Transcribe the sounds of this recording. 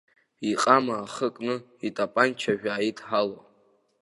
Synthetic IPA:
iqʼamaːχəkʼnɨ | itʼapʼant͡ʃʰaʒᶣaːitʰʼħalo

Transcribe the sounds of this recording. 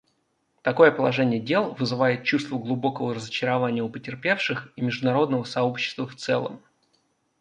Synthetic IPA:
t̪ɐko̞jəpəlˠɐʐɛnʲɪjədʲe̞lˠvɨzɨvajɪt̪̚t͡ɕust̪vəɡlˠʊbo̞kəvəɾəzət͡ɕɪɾɐvanʲɪjəʊpətʲɪrpʲe̞fʂɨximʲɪʐd̪ʊnɐɾo̞d̪nəvəsɐopɕːɪ̥st̪vəft̪sɛ̰lˠə̰m

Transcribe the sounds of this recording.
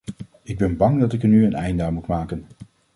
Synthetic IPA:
ɪɡ̚bɛnbɑŋdɑtɪkənyənɛjndaːmutmaːkən

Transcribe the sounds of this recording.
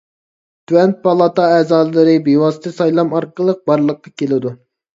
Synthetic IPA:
t̪ʰywɛnt̪̚pʰɑlˠɑt̪ɑɛzɑɨɾɨbewɑsɨt̪ɨsɑjlˠɑmɑɾqəlˠəq̚bɑɾlˠəqːɑkʲelɪd̪u

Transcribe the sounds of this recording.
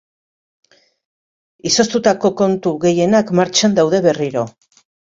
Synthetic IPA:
iso̞st̪ut̪ako̞ko̞nt̪uɣe̞je̞nakmaɾt͡ʃand̪awðe̞βe̞riɾo̞

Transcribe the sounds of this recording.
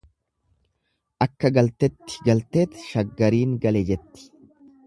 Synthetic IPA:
ʔɐkːɐɡɐlt̪ɛt̪ːɪ̥ɡɐlt̪e̞ːt̪ʃɐɡːɐɾiːŋɡɐlɛd͡ʒɛt̪ːɪ̥

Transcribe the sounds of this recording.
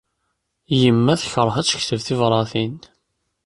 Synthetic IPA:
jəmːæθçəɾˤhæt͡sːə̥çθəvθivɾˤɑθin

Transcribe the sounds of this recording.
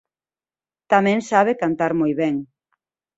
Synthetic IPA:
t̪amɛ̃ŋsaβekant̪aɾmojβɛŋ

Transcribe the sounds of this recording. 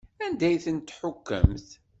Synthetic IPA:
ænd̪æjθənt̪ːħʊkːə̰mθ

